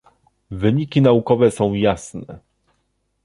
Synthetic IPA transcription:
vɘɲikʲinaukɔvɛsɔ̃w̃jasnɛ

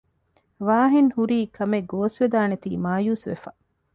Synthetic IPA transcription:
ʋaːɦinhuɾiːkʰɐmeɡoːsʋed̪aːnet̪ḭːmaːjuːsʋḛfɐ

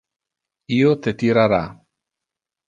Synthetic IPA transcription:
iot̪et̪iɾaɾa

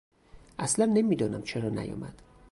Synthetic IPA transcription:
ʔæslænːe̞miːd̪ɒːnæmt͡ʃʰeɾɒːnæ̰jɒ̰ːmæ̰d̪̥

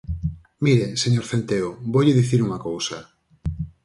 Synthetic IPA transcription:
miɾeseɲoɾθent̪eʊbojʎɪðiθiɾuŋɐkowsɐ

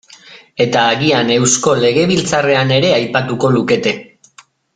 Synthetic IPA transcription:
e̞t̪aːɣiane̞wsko̞le̞ɣe̞β̞ilt͡sare̞ane̞ɾe̞ajpat̪uko̞luke̞t̪e̞

